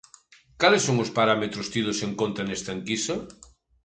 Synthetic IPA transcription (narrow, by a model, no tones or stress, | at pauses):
kalesːoŋospaɾamet̪ɾʊst̪iðoseŋkõnt̪ɾɐnest̪ɐŋkisɐ